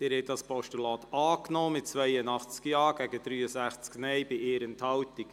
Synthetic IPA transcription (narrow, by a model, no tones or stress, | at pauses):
d̥eːɾhɛtdɑspʰɔʃtulɑːt̪ɑːknɔːmɪt̚t͡svɛɪənɑχt͡skjɑːɡɛɡəd̥̪ɾyːəsæχt͡sknɛɪbɪʔeːɾənthɑwtɪk